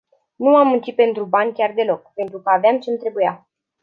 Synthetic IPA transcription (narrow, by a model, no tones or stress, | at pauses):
nuamːunt͡ʃipe̞nt̪ɾubanʲkʲard̪e̞lo̞k̚pe̞nt̪ɾukəaveamt͡ʃent̪ɾe̞buja